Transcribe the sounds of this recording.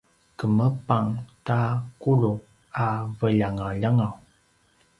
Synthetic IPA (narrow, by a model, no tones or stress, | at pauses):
kəməpaŋtakulu | avəʎaŋaʎaŋaw